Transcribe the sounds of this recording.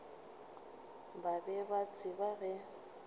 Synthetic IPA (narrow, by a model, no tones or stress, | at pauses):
babɛbat͡sʰʼɪbaɣɛ